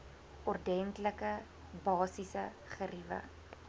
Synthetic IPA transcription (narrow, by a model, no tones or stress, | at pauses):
ʔɔrdɛntləkə | bɑːsisə | χərivə̰